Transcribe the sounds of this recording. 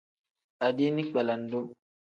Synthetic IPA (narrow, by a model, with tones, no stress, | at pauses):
a˨di˦ni˦k͡pa˨la˨ndo˦